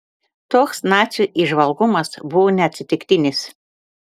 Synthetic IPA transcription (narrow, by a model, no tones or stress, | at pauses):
t̪oːksnɑːt̪sʲjuːʔiʒʋɐlˠɡʊmɐsbʊʋoːnʲɛɐt̪ʲsʲɪt̪ʲɪkt̪ʲɪnʲɪs